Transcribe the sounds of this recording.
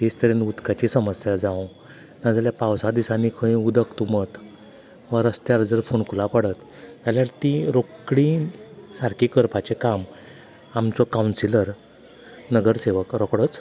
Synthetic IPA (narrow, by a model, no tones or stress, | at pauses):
t̪est̪əɾenut̪kat͡ɕisəməsjad͡zãw̃ | nad͡zaljapawsad̪isanikʰəĩud̪əkt̪umət̪ | ʋəɾəst̪jaɾd͡zəɾfoɳkʰulapəɽət̪ | t̪jaljaɽt̪ĩɾokɽisaɾkikəɾpat͡ɕekam | amt͡sɔkawnsiləɾ | nəɡəɾseʋəkɾokɽət͡s